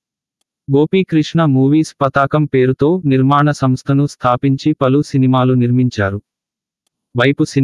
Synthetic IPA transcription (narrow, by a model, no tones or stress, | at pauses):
ɡo̞ːpiːkɾiʂɳɐmuːʋiːspɐt̪aːkɐmpe̞ːɾut̪o̞ːniɾmaːɳɐsɐmst̪ʰɐnust̪ʰaːpiɲt͡ʃipɐlusinimaːluniɾmiɲt͡ʃaːɾu | ʋɐjpusi